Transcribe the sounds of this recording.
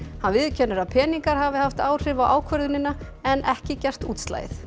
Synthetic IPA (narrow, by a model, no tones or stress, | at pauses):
hanvɪðcʰɛnːʏɾaðpʰɛːniŋkaɾ̥havɪhaft̪aːwr̥ɪvawʔaːwkʰvœɾðʏnɪnaɛnʔɛhcɪcɛr̥t̪uːt̪st̪la̰ːjθ